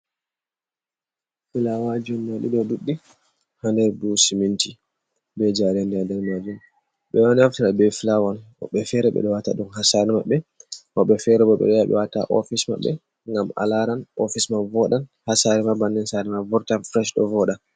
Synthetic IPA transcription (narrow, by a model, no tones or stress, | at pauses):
filawad͡ʒɔnːaɗḭɗɔduɗːi | handɛɾbusimintʰi | bɛd͡ʒaɾɛndɛdɛɾmad͡ʒum | ɓɛwanaftiɾabɛfilawan | ɔ̰ɓːɛfɛɾɛɓɛ̰ɗɔwata̰ɗumɦasaɾɛmaɓːɛʔɔɓːɛfɛɾɛbɔɓɛ̰ɗɔjaɓɛ̰wataʔɔ̰fisma̰ɓːɛ̰ | ŋɡama̰laɾanʔɔfismavɔɗanhasaɾɛmabandɛnsaɾɛmavɔɾtafɾɛʃɗɔ̰vɔɗan